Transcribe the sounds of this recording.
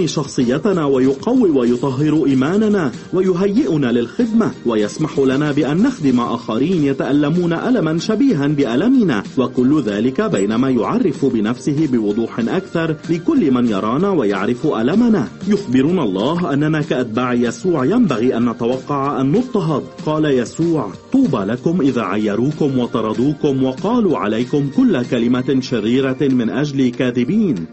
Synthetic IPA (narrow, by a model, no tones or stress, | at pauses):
iːʃɑxsˤɨjːat̪anaːwajʊqɑwːiwajʊt̪ˤɑɦːɪɾʊʔiːmaːnanaː | wajʊɦajːɪʔʊnaːlɪlxɪd̪mawajasmaħʊlanaːbɪʔanːaxd̪ɪmaʔaːxaɾiːnjat̪aʔalːamuːnaʔalamanʃabiːɦanbɪʔalamɪna̰ːwakʊlːʊðaːlɪkabajnamaːjʊʕɑrˤːɪfʊbɪnafsɪɦɪbɪwʊd̪ˤuːħɪnʔakθɑɾˤlɪkʊlːɪmanjɑ̰ɾˤɑːnaːwajaʕɾɪfʔalamanaːjʊxbɪɾunalˤːɑːɦʔanːanaːkaʔat̪̚baːʕɪjasuːʕjambaɣiːʔanːat̪awɑqːɑʕʔanːʊt̪ˤːɑɦɑd̪̚ˤqɑːlajasuːʕt̪ˤuːbaːlakʊmʔɪða̰ːʕajːɑɾˤuːkʊmwɑt̪ɑɾˤɑd̪ˤuːkʊmwɑqɑːluːʕa̰lajkʊmkʊlːakalɪmaʃarːiːɾamɪnʔaʒlikaːðɪbiːn